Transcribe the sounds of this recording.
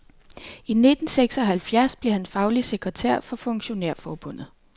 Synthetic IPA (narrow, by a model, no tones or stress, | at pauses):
ine̝d̥n̩seɡ̥sɒ̽ɦælfjæɐsb̥le̝hænfɑ̈ʊlise̝ɡ̥ʁɛt͡sʰæ̰ɐ̰fɒ̽fɔ̽ŋɕo̝neɐ̰fɒːb̥ɔ̽n̰ð̩ˠ